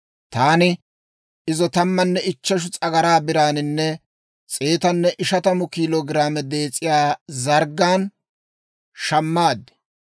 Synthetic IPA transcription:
t̪aːnɪ | ɪzɔt̪ɐmːɐnːɛɪt͡ʃːɛʃ̬ʊt͡sʼɐɡɐɾaːbɪɾaːnɪnːɛ | t͡sʼeːt̪ɐnːɛʔɪʃɐt̪ɐmʊkiːloːɡɪɾaːmɛd̪eːt͡sʼːɪjaːzɐɾɡːaːn | ʃɐmːaːd̪ːɪ̥

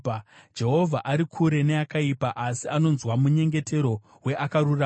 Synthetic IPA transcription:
d͡ʒe̞ɦo̞vʱaʔaɾikʰuɾe̞ne̞akaipaʔasiano̞nzwamuɲe̞ŋɡe̞tʰe̞ɾo̞ | we̞ʔakaɾura

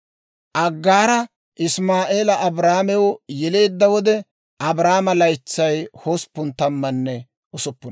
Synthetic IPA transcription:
ʔɐɡːaːɾɐ | ʔɪsmaːʔe̞ːlɐʔɐbɾaːmɛwjɛle̞ːd̪ːɐwɔd̪ɛ | ʔɐbɾaːmɐlɐjt͡sːɐjhospːʊnt̪ɐmːɐnːɛ | ʔʊsʊpːʊn

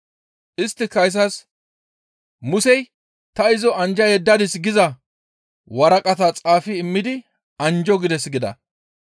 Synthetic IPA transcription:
ʔɪst̪ːɪkɐjs̬ɐs | mʊsɛj | t̪ɐɪzɔɐnd͡ʒɐjɛd̪ːɐd̪ɪsɡɪzɐ | wɐɾɐkʼɐt̪at͡sʼaːfɪːmːɪd̪ɪ | ɐnd͡ʒɔɡɪd̪ɛsɡɪd̪ɐ̰

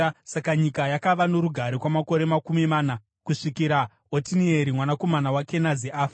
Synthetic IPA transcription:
sakaɲikajakaʋanoɾuɡʱaɾokwamako̞ɾe̞makumimaːna | kuʂikiɾa | otinieɾimwanako̞manawake̞naziʔaːf

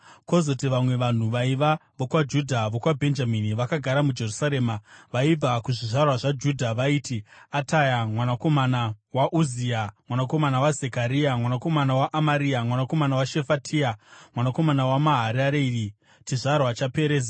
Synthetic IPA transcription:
ko̞zo̞tiʋamwe̞ʋan̤uʋaiʋaʋokwad͡ʒudʱaʋokwabʱe̞nd͡ʒaminiʋakaɡʱaɾamud͡ʒe̞rusaɾe̞ːmaʋaib͡vakuʐiʐarwaʐad͡ʒudʱaʋaiːtʰiatajamwanako̞manawaʔuziamwanako̞manawazekaɾiamwanako̞manawaʔːmaɾiamwanako̞manawaʃe̞fatʰiamwanako̞manawamaɦaɾaɾei | t͡ʃiʐarwat͡ʃape̞ɾeːd͡za

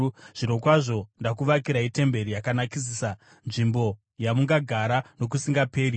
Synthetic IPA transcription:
ʐ̥ino̞kwaʐo̞ndakuʋakiɾaite̞mbe̞ɾijakanakis̬isa | nʐimbo̞ | jamuŋɡaɡʱaɾano̞k̬usiŋɡape̞ːɾi

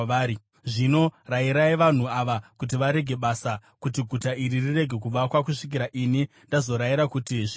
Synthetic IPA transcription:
aːɾi | ʐino̞raiɾaiʋan̤uaʋakut̬iʋaɾe̞ɡʱe̞ɓasakutiɡʱutaʔiɾirire̞ɡʱe̞kuʋakwakuʂik̬iɾaʔini | ndazo̞ɾaiɾakutiʐ

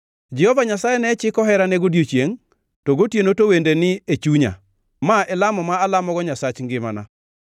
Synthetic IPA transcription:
d͡ʒɛhɔvaɲasajɛnɛt͡ʃɪkɔɦɛɾanɛɡodjot͡ʃjeŋ | tɔɡotjenotowendenɪet͡ʃuɲa̰ | maɛlamɔmaːlamɔɡɔɲasat͡ʃŋɡɪma̰na̰

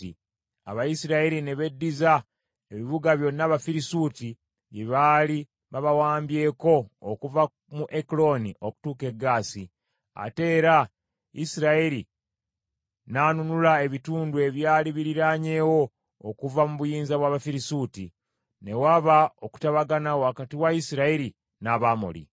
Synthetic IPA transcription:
i | a̰βajisiɾaeɾine̞βe̞dːiza | eβiβuɡaβjo̞nːaβafiɾisuti | jeβaːli | βaβawaːmbje̞ːko̞̰ːkuva | muʔeklo̞niʔo̞ku̥tuːke̞ɡːaːsi | a̰te̞ːɾa | ḭsiɾaeɾi | naːnunulae̞βituːndue̞βjaːliβiɾiɾaɲe̞ːwo̞ː | kuvamuβujiːnzaβwaːβafiɾisuːti | ne̞waβaoku̥taβaɡanawoakatiwaisiɾaeɾi | naβamo̰lḭ

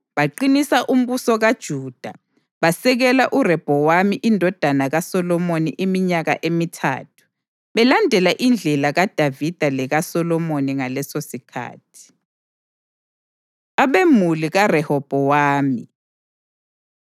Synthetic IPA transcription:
βaǃinisaʔum̩βusɔɣad̥ʒ̥ʱuːd̥ʱa | βasɛɣɛlaʔurɛb̥ʱɔwamiʔindʱɔd̥ʱanaɣasɔlɔmonḭʔimiɲaɣa̰ʔemitʰa̰ːtʰu̥ | βɛlandʱɛlaʔind͡ɮʱɛlaɣad̥ʱavid̥ʱalɛɣasɔlɔmoniŋalɛsosikʰa̰ːtʰi̥ | aβemuliɣarɛhɔb̥ʱɔwaːmi

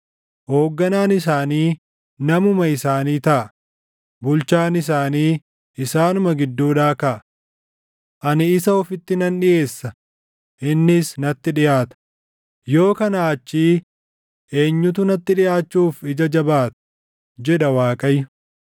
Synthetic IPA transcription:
hoːɡːɐnaːnɪs̬aːniː | nɐmʊmɐɪsaːniːt̪ɐʔɐ | bʊlt͡ʃaːnɪs̬aːniː | ʔɪsaːnʊmɐɡɪd̪ːuːᶑaːkɐʔɐ | ʔɐnɪɪsɐɔfɪt̪ːɪnɐnᶑɪʔe̞ːsːɐ | ʔɪnːɪsnɐt̪ːɪᶑɪjaːt̪ɐ̥ | jo̞ːkɐnaːt͡ʃːiː | ʔe̞ːɲːʊt̪̬ʊnɐt̪ːɪᶑɪjaːt͡ʃːuːfɪd͡ʒɐd͡ʒɐbaːt̪ʊ̥ | d͡ʒɛᶑɐwaːkʼɐjʊ

